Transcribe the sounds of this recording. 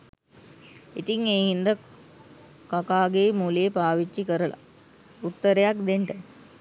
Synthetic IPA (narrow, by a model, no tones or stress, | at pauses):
it̪iŋeːɦind̪ə | kakaːɡemuːleːpaːʋit͡ʃːikəɾəla̰ | ut̪ːəɾejak̚d̪eɳʈə